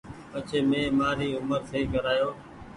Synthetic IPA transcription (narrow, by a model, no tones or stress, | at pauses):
pət͡ʃʰeːmẽːmaːɾiːʊməɾsʰeːkəɾaːjoː